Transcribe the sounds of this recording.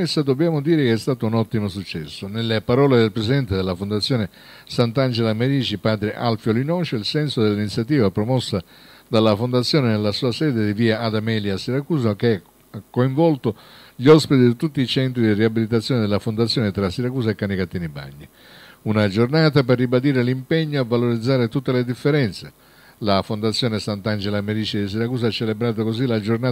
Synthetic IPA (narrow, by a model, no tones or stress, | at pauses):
esːad̪objaːmod̪iːɾɪkeɛst̪aːt̪ounɔt̪ːimosut͡ʃːɛsːonelːepaɾɔːled̪elpɾesid̪ɛnt̪ed̪elːafond̪at̪sːjɔːne | sant̪and͡ʒelameɾiːd͡ʒipaːd̪ɾeʔa̰lfjolinɔt͡ʃeilsɛnsod̪elːinit̪sːjat̪iːvapɾomɔsːa | d̪alːafond̪at̪sːjɔːnenelːasuːasɛːd̪ed̪iviːaːd̪amɛliasːiɾakuːs̬akeɛ | kːoiɱvɔlt̪o | ʎiɔspit̪id̪it̪ut̪ːiːt͡ʃɛnt̪ɾid̪iriabilit̪̬at̪sːjɔːned̪elafond̪at̪sːjɔːnet̪ɾasiɾakuːsaekːanikat̪ːiːniba̰ɲːi | unad͡ʒornaːt̪aperːibad̪iːɾelimpɛɲːoavːaloɾid̪zːaːɾet̪ut̪ːeled̪ifːeɾɛnt̪se | lafond̪at̪sːjɔːnesant̪and͡ʒelameɾit͡ʃid̪is̬iɾakuːs̬aat͡ʃːelebɾaːt̪̬okozilad͡ʒornaː